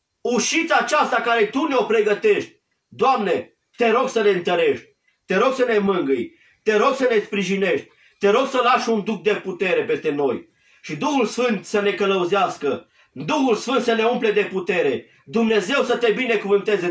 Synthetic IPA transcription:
uʃit̪saːt͡ʃast̪akaɾe̞t̪uneo̞pɾe̞ɡət̪e̞ʃt̪ʲ | d̪oamne̞ | t̪e̞ɾo̞ɡsəneɨnt̪əɾe̞ʃt̪ʲ | t̪e̞ɾo̞ɡsəne̞mɨŋɡɨj | t̪e̞ɾo̞ɡsəne̞spɾiʒine̞ʃt̪ʲ | t̪e̞ɾo̞ɡsəlaʃund̪uxkd̪e̞put̪e̞ɾe̞pe̞st̪e̞no̞j | ʃid̪uhulsfɨnt̪səne̞kələuzeaskə | d̪uxulsfɨnt̪səne̞umple̞d̪e̞put̪e̞ɾe̞ | d̪umne̞ze̞wsət̪e̞bine̞kuvɨnt̪e̞ze

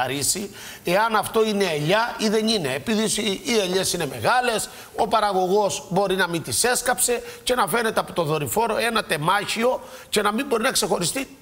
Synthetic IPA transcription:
ɾisi | e̞ɐnɐft̪o̞ine̞ːʎɐiðe̞nine̞ːpiðisieʎe̞sine̞me̞̰ɣɐle̞s | o̞pɐɾɐɣo̞ɣo̞sbo̞ɾinɐmint̪ise̞skɐpse̞ce̞nɐfe̞ne̞t̪eɐpot̪o̞ðo̞ɾifo̞ɾo̞e̞nɐt̪e̞mɐçio̞ | ce̞nɐmimbo̞ɾinɐkse̞xo̞ɾist̪i

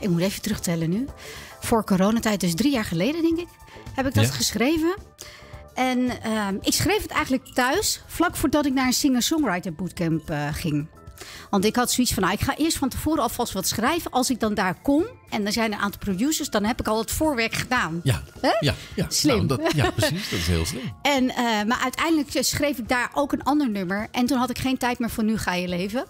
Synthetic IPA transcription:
ɪk̚mutejvətrɵχtɛlənyfʊːɹkoːɾownatɛjt̚dɵs̬drijaːɹχəlejdədɛŋkɪk | hɛpɪɡ̚dɑtχəsχrejvən | ʔɛnəɪksχrejfətɛ̰jχənlək̚tœɥsflɑkfʊːɹdɑtɪknaːɹənsɪŋəsɔŋrajtəbutkɛmpχɪŋ | ʋɑntɪkɦɑtsoitsfɑnːaɪkχaːʔɪːəɹstfɑntəv̥ʊːɾəɑlˠfɑlˠsʋɑtsχrɛjvəʔɑlˠsɪɡ̚dɑndaːɹkɔm | ɛndɔnzɛjnəɹʔa̰ːntɑlˠprodjusəɹsdɑnɦɛpɪkɑlˠətfʊːɹʋɛɹkχədaːnaɦɛaslɪmaisdtsɦɪ̰lˠslɪɛnəmaːɹʔœɥtɛjndələksχrejfɪɡ̚daːɹʔowkənɑndəɹnøməɹʔɛntunɦɑtɪkχejntɛjtmɪːɹfɔnyχaːjəlejvə

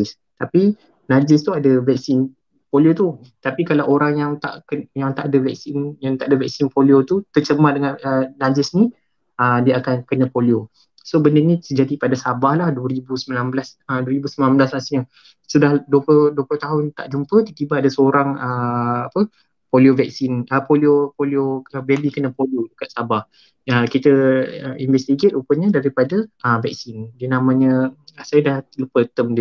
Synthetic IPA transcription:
s | t̪api | nad͡ʒɪst̪uadavɛk̚sɪn | poliot̪ut̪apikalawʔoɾaŋjaŋt̪a̰ʔkəjaŋt̪aʔadəvɛk̚sɪnjaŋt̪aʔadəvɛk̚sɪnpoliot̪ut̪ət͡ʃəmadəŋanənad͡ʒɪsni | ədiəakankənə̃polio | sobəndənĩsəd͡ʒadipadasabahlahduwəɾibusəmilamblasəduəɾibusəminamblaslasiɲə | sədahduəpəduəplʊht̪aɦʊnt̪a̰ʔd͡ʒumpət̪ut̪ibaadasəoɾaŋəapə | poliovɛk̚sinəpoliopolioabɛlikənə̃poliodəkat̪̚sabah | əkit̪əəinvɛst̪iɡet̪upəɲə̃daɾipadaəvɛk̚sindiənãmə̃ɲə̃sajədahlupət̪əmdə

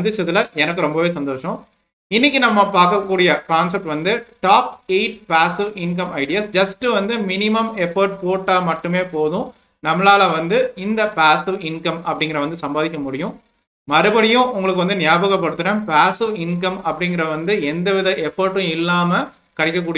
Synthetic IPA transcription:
ɐnd̪ɯt͡ʃːɐðɯlɐʔɛnɐkːɯɾɔmbɐʋeːsɐnd̪oːʂɐ̃ | ɪnːɪk̬ʲːinɐmːɐpaːɾkɐkːuːɽɪjɐkaːns̬ɛp̚ʈʋɐnd̪ɯʈaːpeɪʈ̚paːsɪʋɪnk̬ɐmɐɪɖɪjasd͡ʒɐsʈɯʋɐnd̪ɯmɪnɪmɐmɛfɐɾʈpoːʈːaːmɐʈːɯmeːpoːðʊ̃ | nɐmːlaːlɐʋɐnd̪ɯɪnd̪ɐpaːsɪʋɪnkɐmɐpːɐɽɪŋɡɪɾɐʋɐnd̪ɯsɐmbaːðɪkːɐmʊɽɪjʊ̃ | mɐɾɯbɐɽɪjʊ̃ʔʊŋɡɐɭɯkːɯʋɐnd̪ɯnɪjaːbɐɣɐpːɐɽɯt̪ːɯnɐ̃ːpaːsɪʋɪnkɐmɐpːɐɽɪŋɡɪɾɐʋɐnd̪ɯɛnd̪ɐʋɪðɐʔɛfɐɾʈːʊ̃ɪlːaːmɐ | kɐɽɪkːɐk̬ːuːɽɪ

